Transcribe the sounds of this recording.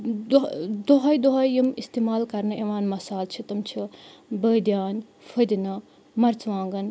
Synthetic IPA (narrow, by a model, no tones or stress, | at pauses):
d̪d̪oɦɐjd̪oɦɐjimist̪eːmaːlkɐɾnɐʔeʋaːnmɐsaːlt͡ʃʰit̪ɐmt͡ʃʰibəːd̪jaːn | fʰɐd̪inɐ | mɐɾt͡sʋãːŋɡɐn